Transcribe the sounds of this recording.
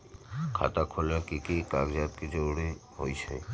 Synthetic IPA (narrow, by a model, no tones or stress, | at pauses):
kʰa̰t̪akʰolekikikaɡd͡ʑat̪ked͡ʑowɽiho̰jt͡ɕʰḛ